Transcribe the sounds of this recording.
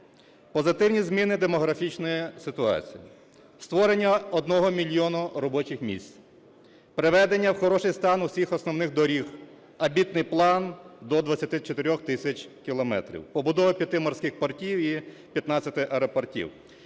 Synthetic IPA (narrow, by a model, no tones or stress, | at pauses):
pɔzɪt̪ɪwnʲizmʲinɪd̪emɔɦɾɐfʲit͡ʃnɔjisɪt̪ʊɑ̰t͡sʲijḭ | st̪ʋɔɾenʲːɐɔd̪nɔɦɔmʲilʲjɔnʊɾɔbɔt͡ʃɪxmʲḭsʲt͡sʲ | pɾɪʋɛd̪enʲːɐwxɔɾɔʃɪjst̪ɑnʊsʲixɔsnɔwnɪxd̪ɔɾʲix | ɐbʲit̪nɪjplˠɑnd̪ɔd̪ʋɐt͡sʲːɐt̪ɪt͡ʃet̪eɾʲɔxt̪ɪsʲɐt͡ʃkʲilˠɔmɛ̰t̪ɾʲḭwpɔbʊd̪ɔʋɐpʲjɐt̪ɪmɔrsʲkʲɪxpɐrtʲiwi | pʲjɐt̪nɑt͡sʲɐt̪ɪʔɐɾɐpɔrtʲḭw